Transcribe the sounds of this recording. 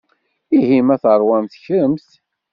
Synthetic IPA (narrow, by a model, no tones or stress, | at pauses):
ihimæθəɾˤwænθçɾəmθ